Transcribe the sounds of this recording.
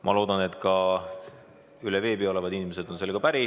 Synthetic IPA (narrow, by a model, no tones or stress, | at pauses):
mʔɑ̰lo̞ːd̪̥ɑne̞t̪ːˑkɑ | yleve̞ːbio̞levɑd̪inime̞se̞d̪̥o̞nse̞lɡ̥ɑpæɾi